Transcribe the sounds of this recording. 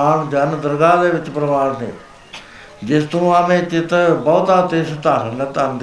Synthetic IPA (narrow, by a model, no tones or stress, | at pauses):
aːɳd͡ʒənd̪əɾɡaːd̪eːʋɪt͡ʃpɾəʋaːɽnḛː | d͡ʒɪst̪õːaːmẽːt͡ʃɪt̪bɔːt̪aːt̪eːʃt̪aːsənẽːt̪ənd̪